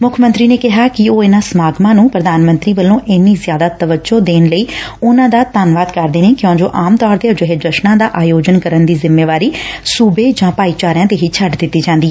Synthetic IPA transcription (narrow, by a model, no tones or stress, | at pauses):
mʊkʰmə̃nt̪ɾiːneːkɪɦaːkɪoːɪnãːsəmaːɡmãːnũːpɾəd̪aːnmənt̪ɾiːʋəlːõːʔɪnːiːzjaːd̪aːt̪əʋəd͡ʒoːd̪eːnləiːʊnãːd̪aːt̪aːnʋaːd̪kəɾd̪eːneːkjõːd͡ʒoːʔaːmt̪ɔːɾd̪eːd͡ʒəɦed͡ʒəʃnãːd̪aːʔaːjoːd͡ʒənkəɾənd̪iːzɪmːeːʋaːɾiːsuːbeːd͡ʒãːpaːiːt͡ʃaːɾjãːd̪eːɦit͡ʃʰəɖd̪ɪt̪ːiːd͡ʒãːnd̪iː